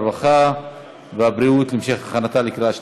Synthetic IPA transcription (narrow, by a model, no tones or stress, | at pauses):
vaχa | veabɾiut̪limʃeχaχanat̪alikʁaʃ